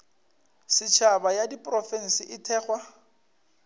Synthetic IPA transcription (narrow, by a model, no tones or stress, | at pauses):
sɪt͡ʃʰabajadipʼrɔfɛn̩sɪʔɪtʰɛːχwa